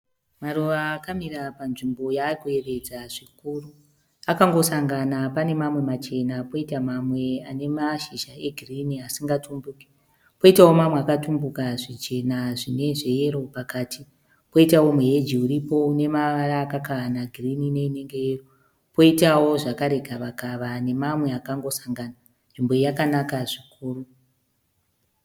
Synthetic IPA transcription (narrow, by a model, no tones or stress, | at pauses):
maruʋaːkamiɾapanʐimbo̞jaːrikue̞re̞d͡zaʐ̥ikuːru | akaŋɡo̞saŋɡanapane̞mamwe̞mat͡ʃe̞napo̞itamamwe̞ane̞maʃiʒae̞ɡʱiriniasiŋɡatumbuke̥ | po̞itawo̞mamweakatumbukaʐit͡ʃe̞naʐine̞ʐe̞je̞ɾo̞pakaːtʰi | po̞itawo̞muɦe̞d͡ʒiuɾipo̞une̞maʋaɾaːkakaanaɡʱirinine̞ine̞ŋɡejero | po̞itawo̞ʐakaɾe̞ɡʱaʋakaʋane̞mamwe̞akaŋɡo̞saŋɡana | nʐimbojakanakaʐikuːru